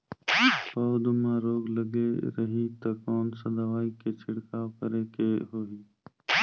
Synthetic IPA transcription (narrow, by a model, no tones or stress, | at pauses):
pəʋd̪mãːɾoːɡləɡeːɾəɦiːt̪ɐkɔːnsəd̪aʋaːikeːt͡ʃʰɪɽkaːkəɾeːkeːɦoːɦiː